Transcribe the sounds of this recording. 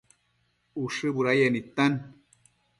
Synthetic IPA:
uʂɨbuɾajanit̪an

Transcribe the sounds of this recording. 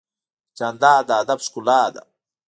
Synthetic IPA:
t͡ʃand̪aːd̪aːd̪abskulaːd̪a̰

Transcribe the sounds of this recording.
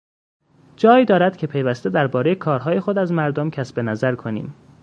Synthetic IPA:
d͡ʒɒːjiːd̪ɒːɾæd̪̥cʲʰe̞pʰejvæst̪e̞d̪æɾbɒːɾe̞jekʰɒːɾɦɒːje̞xo̞d̪æzmæɾd̪omcʰæsbe̞næzæɾkʰonḭːm

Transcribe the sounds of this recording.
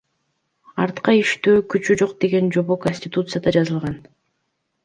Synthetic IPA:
ɑɾt̪qɑiʃt̪øːkyt͡ʃyd͡ʒo̞qd̪e̞ɡe̞nd͡ʒo̞βo̞konʲsʲtʲɪt̪ut̪sɨjad̪ɑd͡ʒɑzɯlˠʁɑn

